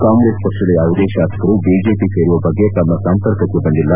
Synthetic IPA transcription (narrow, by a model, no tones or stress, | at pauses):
kaːŋɡɾeːspɐkʂɐlejaːʋud̪eːʃaːsɐ̥kɐɾubiːd͡ʒeːpiseːɾuʋɐbɐɡːe̞t̪ɐmːɐsɐmp̪ɐɾkɐkːubɐnd̪ilːɐ